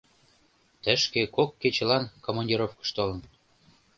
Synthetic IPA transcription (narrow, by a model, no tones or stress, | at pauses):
t̪ə̆ʃkekokːet͡ɕelɑnkomonʲdʲiɾofkə̥ʃt̪olə̆n